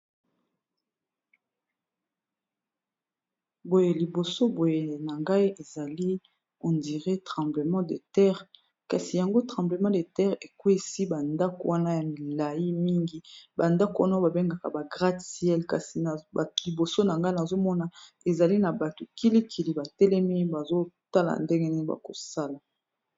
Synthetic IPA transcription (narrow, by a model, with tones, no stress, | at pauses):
bo˨je˨li˨bo˨so˦bo˨je˨na˨ŋɡa˦i˦e˨za˨li˦ | o˨ndi˨ʁe˦tʁɑ̃˨mble˨mɑ̃˦de˨tɛ˦ʁ | ka˨si˨ja˨ŋɡo˦tχɑ̃˨ble˨mɑ̃˦de˨tɛ˦ʁe˨kwe˦si˦ba˨nda˦ko˨wa˦na˦ja˨mi˨la˨ji˦mi˦ŋɡi˦ba˨nda˦ko˨wa˦na˦ba˨be˦ŋɡa˨ka˨ba˨ɡʁa˦si˨˦ɛ˦lka˨si˨li˨bo˨so˦na˨ŋɡa˦na˨zo˦mɔ˦na˨ | e˨za˨li˦na˨ba˨to˨ki˦li˦kʰi˨li˨ba˨tɛ˦lɛ˦mi˦ba˨zo˦ta˦la̰˨nde˦ŋɡe˦ne˦ba̰˨ko̰˨sa˦la˨